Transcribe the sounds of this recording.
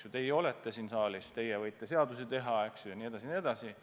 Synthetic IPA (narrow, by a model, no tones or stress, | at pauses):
sjut̪e̞jo̞let̪ˑːe̞siːnsɑːlist̪e̞jɛvɤjt̪ˑːe̞se̞ɑd̪uset̪e̞ɦɑeksjujɑnie̞d̪̥ɑsʲinie̞d̪̥ɑsi